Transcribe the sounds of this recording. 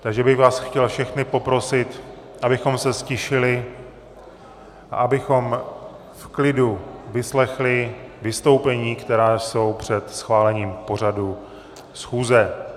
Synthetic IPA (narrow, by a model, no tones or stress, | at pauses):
t̪aɡʒɛbɪɣvaːsxcɛlfʃɛxnɪpo̞pɾo̞sɪt̪ | ʔabɪxo̞msɛscɛʃɪlɪ | ʔa̰ʔabɪxo̞m | fklɪduvɪslɛxlɪvɪst̪o̞wpɛɲiːkt̪ɛɾaːso̞wpr̝̥ɛt̪sxvaːlɛɲiːmpo̞r̝adu | sxuːzɛ